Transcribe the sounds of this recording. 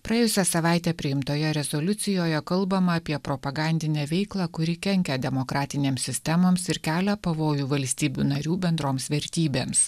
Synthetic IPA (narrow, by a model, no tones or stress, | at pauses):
pɾɐjeːjʊsʲɛsɐʋɑˑɪt̪ʲɛpʲɾʲɪjɪmt̪oːjɛɾʲɛzolʲʊt̪sʲɪjoːjɛkɐlˠbɐmɐːpʲiɛpɾopɐɡɑˑnʲd̪ʲɪnʲɛːʋʲɛɪklˠɑːkʊɾʲɪkʲɛŋʲkʲɛd̪ʲɛmokɾɑːt̪ʲɪnʲeːmsʲɪsʲt̪ʲɛmoːmsɪɾkʲæːlʲæpɐʋoːjuːʋɐlʲsʲt̪ʲiːbʲuːnɐɾʲuːbʲɛnd̪ɾoːmsʋʲɛɾʲt̪ʲiːbʲeːms